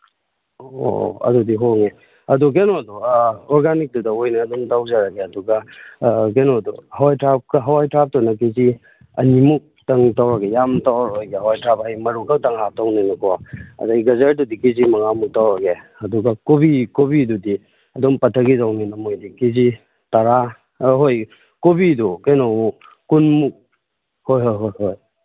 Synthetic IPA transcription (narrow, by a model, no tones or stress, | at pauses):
o̰ɐ̰dudiɦoŋe | ɐduk̬enoduɔɾɡanik̚dudɐojniɐdɔmtawzaɾaɡeɐduɡɐ | kenoduhɐwajtɾap̚kɦɐwajtʰɾap̚tonɐkizi | ɐ̰nimuk̚tɐŋtawɾɐɡejamtawɾojɡeɦawajtɾap̚hajmɐɾukʰawtɐŋatawninɐkoɐ̰daɡɡɐzɐɾdudikizimɐŋamuk̚tawɾaɡeɐduɡakobikobidudi | ɐdɔmpɐtʰɐɡidawninɐmojdikizi | tɐɾa | ɦoj | kobidukenɔu | kunmuk̚ | hojɦojɦojhoj